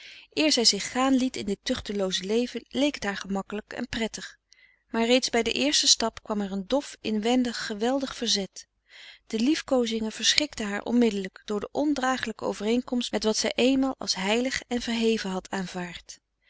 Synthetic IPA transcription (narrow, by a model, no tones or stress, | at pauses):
ʔɪːɹzɛjzɪχːaːnlitɪndɪtʏχtəlowzəlejvənlejkətɦaːɹχəmɑkələkɛ̰nprɛtəχ | maːɹrejtzbɛjdə̰ʔɪːɹstəstɑpkʋɑmɛɹəndɔfɪnʋɛndəχːəʋɛlˠdəχfəɹzɛt | d̥əlifkowzɪŋəv̥əɹsχɪktəɦaːɹʔɔ̰nmɪdələkd̥ʊːɹdəʔɔndraːχələkəo̰wvərejŋkɔmstmɛtʋɑtsɛjʔeːjnmaːlˠʔɑ̰lˠsɦɛjləχɛnv̥əɹɦejvəɦɑtʰaːnv̥aːɹt